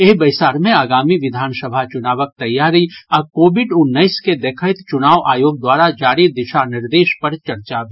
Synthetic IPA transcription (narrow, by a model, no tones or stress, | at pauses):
eɦbɐɪsaːɾmẽaːɡaːmiʋɪd̪ʱaːnsəbʱat͡ʃʊnaːʋək̚t̪ɐjːaːɾiɔɾkoːbɪɖʊnːəɪsked̪eːkʰət̪t͡ʃʊnaːʋʔaːjoːɡ̚d̪waːɾad͡ʒaːɾid̪ɪʃanɪɾd̪eːʃpɐɾt͡ʃɐɾt͡ʃab